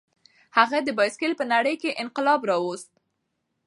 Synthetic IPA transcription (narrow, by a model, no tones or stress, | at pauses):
haɣad̪əbɑjskɪlpənaɽəjkeʔɪnqɪlɑbɾɑwost̪̚